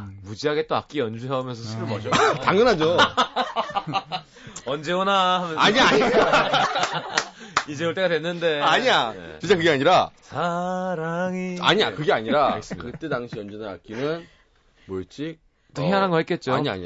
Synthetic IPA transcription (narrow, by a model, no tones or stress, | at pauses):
mud͡ʑiɦaɡe̞t͈oak͈iʌnd͡ʑuɦeumjʌnsʰʌsʰɯɾɯɭmʌd͡ʑʌtaŋɯnɦad͡ʑo | ʌnd͡ʑeonahamjʌnaɲaɲi | id͡ʑe̞ɯɭt͈eɡadwe̞nːɯnde̞aɲia̰int͡ɕ͈akɯɡe̞aɲiɾasʰaɾaŋia̰ɲiakɯɡe̞aɲiɾaes͈ɯmakɯt͈edaŋɕʰiʌnd͡ʑunaa̰k͈inɯn | moɭt͡ɕ͈ik̚ | t͈oɦeanɦanɡʌɦet̚k͈e̞t̚t͡ɕ͈oaɲia̰ɲia